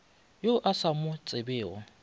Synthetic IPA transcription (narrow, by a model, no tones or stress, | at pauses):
joʔasamʊt͡sʼɪbɪːɔ